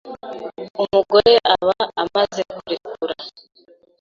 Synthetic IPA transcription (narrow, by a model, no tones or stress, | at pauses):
umuɡo̞ɾe̞ʔaβaamazekuɾikuɾa